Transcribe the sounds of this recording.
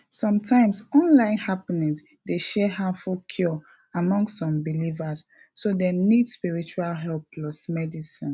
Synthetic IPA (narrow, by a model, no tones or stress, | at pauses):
sɔ̃mtʰãɪ̃msɔ̃nlãɪ̃nhapinĩŋs | deʃɛɦafukʰjɔ | amɔ̃ŋstsɔ̃mbilivas | sodenidspiɹit͡ʃualɦɛlp̚lɔsmɛdisĩn